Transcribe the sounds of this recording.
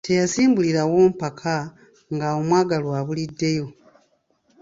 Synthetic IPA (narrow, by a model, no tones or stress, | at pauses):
tʰe̞jasiːmbuliɾawo̞ːm̩pakʰa | ŋɡao̞mwaːɡalwaːβulidːe̞jo̞